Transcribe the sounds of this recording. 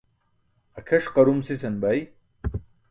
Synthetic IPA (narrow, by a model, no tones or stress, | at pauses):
ɐkʰɐʂqɐɾumsisɐnbaj